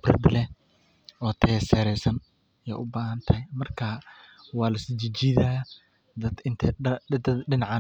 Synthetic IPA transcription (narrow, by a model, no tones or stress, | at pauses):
brɐ̰d̪lɛ | ɔːt̪ʰɛsɛːɾɛjsɐn | jɛ̰ːʔʊbaːɦɐnt̪ʰɐjmɐrkʰawɑːlɐsɪt͡ʃɪt͡ʃɪðaː | d̪ɐd̪ɪnt̪ʰɛd̪ɐd̪ɖɪnɑʕa